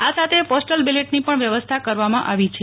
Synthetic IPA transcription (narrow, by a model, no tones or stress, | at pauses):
asat̪ʰepɔsʈəlbileʈnipəɳʋjəʋəst̪ʰakəɾʋamãʔaʋit͡ʃʰe